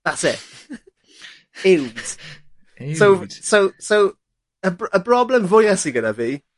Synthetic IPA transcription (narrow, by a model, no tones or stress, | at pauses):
ðatsɛ | ɪwd̥ | sowsowsow | əbəbrɔblɛmvʊjasiɡənaviː